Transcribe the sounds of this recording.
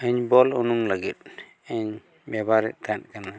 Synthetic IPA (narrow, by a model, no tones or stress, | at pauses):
ɛɲbɔlunumlaɡit̚ | ɛɲ | bɛbaɾiʔt̪an̚kana